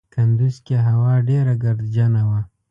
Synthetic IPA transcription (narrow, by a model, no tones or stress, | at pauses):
kand̪uzkeɦawɑɖeɾaɡaɾd̪d͡ʒanawa